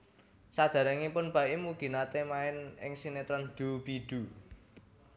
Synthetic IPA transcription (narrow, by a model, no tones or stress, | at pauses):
sad̪̥a̤ɾaŋipʊnb̥a̤ʔimuɡ̥i̤nat̪emaɪnɪ̰ŋsinet̪ɾɔnd̪̥ub̥id̪̥ṳ